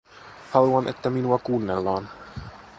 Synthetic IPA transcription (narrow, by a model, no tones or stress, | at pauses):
hɑluɑnʔet̪ːæminuɑkuːnːelːɑːn